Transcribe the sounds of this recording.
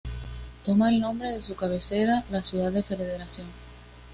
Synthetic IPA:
t̪o̞maelnõ̞mbɾe̞ðe̞sukaβe̞se̞ɾalasjuðaðe̞fe̞ðeð̞e̞ɾaθjo̞ŋ

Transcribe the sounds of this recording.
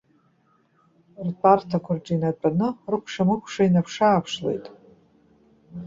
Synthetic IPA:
rpʼartʰakʷʰard͡ʒinat͡pʼanɨrɨkʷʰʂamɨkʷʰʂainapʰʂaːpʰʂle̞̰jtʼ

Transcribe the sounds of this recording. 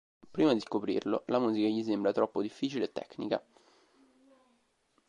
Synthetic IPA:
pɾiːmad̪iskopɾḭrlolamuːzikaʎis̬embɾat̪ɾɔpːod̪ifːiːt͡ʃileːt̪ːɛ̰kːnika̰

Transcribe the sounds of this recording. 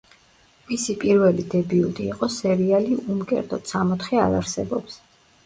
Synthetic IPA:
misipʼiɾvɛlid̪ɛbiut̪ʼiːqʼɔsɛɾialiʔumkʼɛ̰ɾd̪ɔt̪samɔt̪χɛa̰ɾaɾsɛbɔps

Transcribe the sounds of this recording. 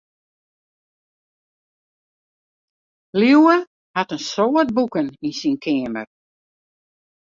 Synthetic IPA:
liwə | hatənsoːət̚bukəninsinkʰɪːmə̰r

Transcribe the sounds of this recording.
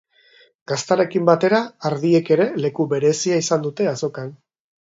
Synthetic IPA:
ɡ̥ast̪aɾe̞kimbat̪e̞ɾaːɾðie̞ke̞ɾe̞le̞kuβe̞ɾe̞siaisand̪ut̪e̞aso̞kan

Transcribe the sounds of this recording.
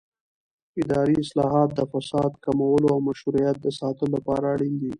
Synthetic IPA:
ɪd̪ɑɾiɪslɑɦɑt̪̚d̪əfasɑd̪kamawəloawmaʃhuɾijat̪̚d̪əsɑt̪əlolapɑɾaːɽind̪i

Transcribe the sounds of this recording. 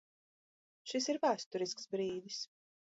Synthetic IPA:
ʃis̬iɾvæːst̪uɾisksbɾiːd̪is

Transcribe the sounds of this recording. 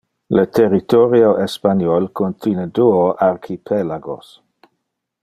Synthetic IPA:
lət̪ʰerit̪oɾioʔespanjɔlkʰont̪ʰjinəduoʔarkʰipʰelaɡo̰s

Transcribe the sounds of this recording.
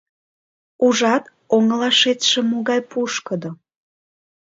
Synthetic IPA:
uʒɑt̪ | oŋlɑʃet̪ʃĕmoɣɑjpuʃkəd̪o

